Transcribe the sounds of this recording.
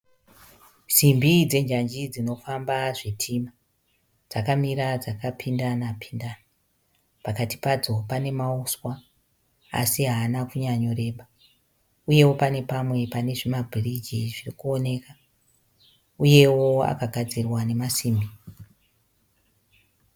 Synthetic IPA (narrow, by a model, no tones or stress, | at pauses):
simbid͡ze̞ɲd͡ʒaɲd͡ʒid͡zino̞fambaʐitʰima | d͡z̥akamiɾad͡zakapʰindanapʰi̥ndana | pakati̥pad͡zo̞pane̞mauswa | a̰siɦaːnakuɲaɲo̞re̞ːɓa | uje̞wo̞pane̞pamwe̞pane̞ʐimabʱirid͡ʒiʐirikuo̞ne̞ka | uje̞wo̞a̰kaɡʱad͡zirwane̞masiːmbi